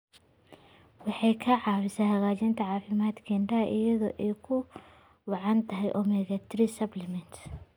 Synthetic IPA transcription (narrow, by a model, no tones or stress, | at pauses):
wɑħɑjkʰɐʕɑːɾɪsɐhɐɣaːt͡ʃɪnt̪ʰɐʕɑːfɪmaːd̪kʰɛɳɖɐɐʔɪjɐðɔːʔɛjkʰʊ | wɑʕɑnt̪ʰɐɦɛjʔɔːmɛɣɐt̪ʰɾisɐblɛmɛnt̪